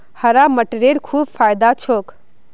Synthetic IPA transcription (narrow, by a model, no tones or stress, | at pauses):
həɾaməʈɾeɾkʰuːbfʰaːjd̪at͡ʃʰok